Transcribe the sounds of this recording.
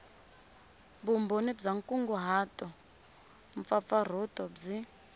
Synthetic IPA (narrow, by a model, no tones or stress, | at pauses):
bumbonibd͡zaŋkʼuŋɡuɦaːtʼɔ | ɱfap̪far̤utʼɔd͡zi